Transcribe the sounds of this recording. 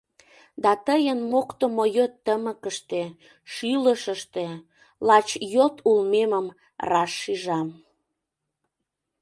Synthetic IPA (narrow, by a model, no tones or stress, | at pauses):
d̪ɑt̪əjənmokt̪omojøt̪ːəməkəʃt̪e | ʃyləʃəʃt̪e | lɑt͡ɕjot̪ʰulmeməm | rɑʃːiʒɑm